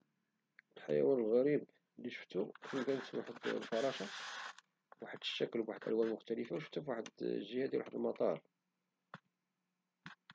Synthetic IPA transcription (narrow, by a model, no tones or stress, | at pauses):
əlħa̰jæ̰wænəlɣæɾib | liʃə̥ft̪ːukəmkænət̪wa̰ħəd̪lfɑɾˤɑʃɑ | waħəd̪̥ə̥ʃːækːəlwaħəd̪ʔæ̰lwænmʊxt̪æləfawʃə̥ft̪ːæfwaħəd̪ʒihæd̪jiwaħəd̪əlmɑt̪ˤɑɾˤ